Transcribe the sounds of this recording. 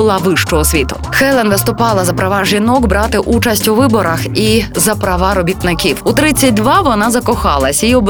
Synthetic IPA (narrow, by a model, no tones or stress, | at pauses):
ʊlˠɑʋɪʃt͡ʃɔɦɔsʲʋʲit̪ʊ | xɛlˠɛnʋɪst̪ʊpɑlˠɐzɐpɾɐʋɑʒʲinɔkbɾɑt̪ɪʔut͡ʃɐsʲtʲuʋɪbɔɾɐxizɐpɾɐʋɑɾɔbʲit̪nɪkʲiwut̪ɾɪt͡sʲːɐt̚ʲd̪ʋɑʋɔnɑzɐkɔxɑlˠɐsʲiɔb